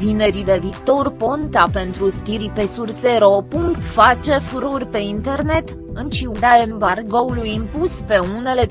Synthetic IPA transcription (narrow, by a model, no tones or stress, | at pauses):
vine̞ɾid̪e̞vit̪o̞rpo̞nt̪ape̞nt̪ɾust̪iɾipesurseɾopuŋkt̪fat͡ʃe̞fuɾorʲpe̞int̪e̞rne̞t̪ | ɨnt͡ʃiud̪aemvarɡoulujɨmpuspe̞une̞le̞